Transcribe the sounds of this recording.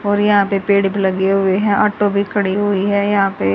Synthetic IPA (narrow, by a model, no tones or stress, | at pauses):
ɔːɾjɐɦãːpepeːɽebʱiləɡeɦʊeɦɛ̃ʔaːʈobʱikʰɐɽiɦʊiɦɛːjɐɦãːpe